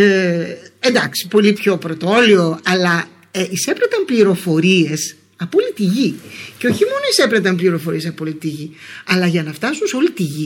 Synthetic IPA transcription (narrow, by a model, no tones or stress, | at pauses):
end̪ɐksi̥po̞lipço̞pɾot̪o̞lio̞ɐlɐ | ise̞pɾet̪ɐmpliɾo̞fo̞ɾie̞s | ɐpolit̪iʝiceo̞çimo̞no̞ise̞pɾet̪ɐmpliɾo̞fo̞ɾie̞sɐpolit̪iʝiɐlɐʝɐnɐft̪ɐsunso̞lit̪iʝi